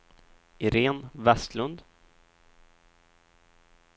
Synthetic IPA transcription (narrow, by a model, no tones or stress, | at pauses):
ʔɪɾeːnvɛst̪lɵnd̪